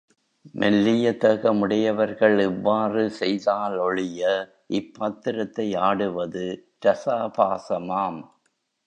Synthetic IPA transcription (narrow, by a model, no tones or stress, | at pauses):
mʔɛlːɪjɐt̪ɐɣɐmʊɽɪjɐʋɐɾɣɐɭɛʋːaːrɯsɛjðaːlɔɻɪjɐ | ʔɪpːaːt̪ːɪɾɐt̪ːɐɪaːɽɯʋɐðɯtɐsaːpaːsɐmaːm